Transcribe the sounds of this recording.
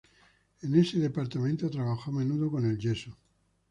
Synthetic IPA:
ene̞seðe̞paɾt̪amẽ̞nt̪ot̪ɾaβaxomẽ̞nuðoko̞ne̞lʎe̞so

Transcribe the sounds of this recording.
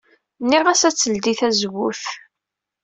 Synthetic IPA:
nːiʁæsæt͡sːəld̪iθæzwʊθ

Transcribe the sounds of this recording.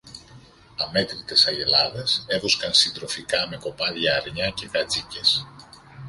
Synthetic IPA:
ɐme̞t̪ɾit̪e̞sɐʝe̞lɐðe̞se̞vo̞skɐnsind̪ɾo̞fikɐme̞ko̞pɐðʝɐːɾɲɐce̞kɐt͡sice̞s

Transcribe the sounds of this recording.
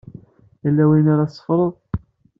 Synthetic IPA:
jəlːæwinaɾasˤə̥fɾˤəðˤ

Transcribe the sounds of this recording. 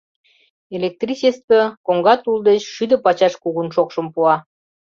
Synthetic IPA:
elʲek̚t̪risest̪əkoŋɡɑt̪uld̪et͡ɕʃyd̪ə̆pɑt͡ɕɑʃkuɣunʃokʃə̆mpuɑ

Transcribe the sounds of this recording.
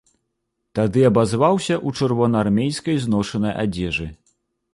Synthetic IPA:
t̪ad̪ɨɐbazvawsʲɐʔut͡ʂɨrvɔnɐarmʲejskɐjznɔʂɐnɐja̰d͡zʲɛʐɨ

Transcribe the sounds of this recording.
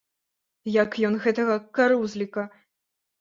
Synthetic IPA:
jɐkjɔnɣɛt̪ɐɣɐkaɾuzlʲikɐ

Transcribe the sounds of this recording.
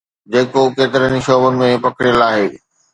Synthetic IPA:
d͡ʑeːkokeːt̪ɪɾəniʃoːbənɪ̆mẽpɐkʰɪɽijəlaːɦeː

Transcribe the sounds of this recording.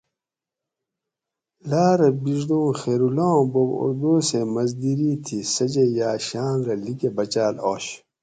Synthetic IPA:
laːɾɐbiʐd̪õːxeːɾulõːboɡo̰ɾd̪oːsemɐzd̪iɾiːt̪ʰisɐd͡ʑejaːɕaːnɾɐlikebɐt͡ɕaːlo̰ːɕ

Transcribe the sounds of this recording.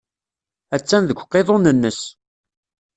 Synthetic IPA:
æt͡sːænðəɡʷqːeðˤonənːəs

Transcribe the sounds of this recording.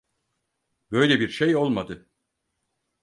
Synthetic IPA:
bø̞jlʲebiɾʃejo̞lˠmad̪ɯ

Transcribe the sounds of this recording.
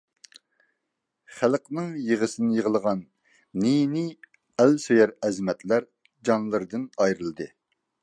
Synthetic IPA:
χælˠqnɨŋjəʁəsɨnɪjəʁəlˠəʁɑnː | inɪ | ælsøjɛɾɛzmɛt̪læɾ | d͡ʒɑnlˠɨɾd̪ɨnɑjɾɨlˠd̪ɨ

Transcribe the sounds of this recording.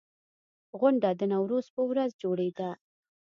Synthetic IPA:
ɣʊɳɖad̪ənawɾoz̥pəwɾazd͡ʒoɽed̪a

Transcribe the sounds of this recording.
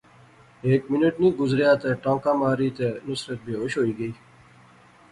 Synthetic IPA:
eːkmɪnəʈnĩːɡʊzɾjaːt̪eʈãːkãːmaːɾiːt̪enʊsɾət̪̚bʱiːɦoʃɦoːiːɡəiː

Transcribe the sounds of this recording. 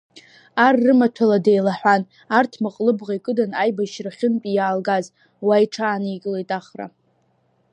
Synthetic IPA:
arːɨmatʰaladejlaħʷan | artʰmaqʼlɨbʁajkʼɨdanajbaʃraχʲɪnpʼijaːlɡaz | waiʈ͡ʂʰaːniɡʲʼlejtʼaχra̰

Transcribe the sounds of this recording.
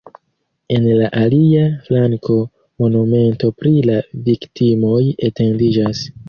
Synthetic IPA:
e̞nlaʔaliaflaŋko̞ | mo̞nume̞nto̞pɾilaviktimo̞jete̞ndid͡ʒas

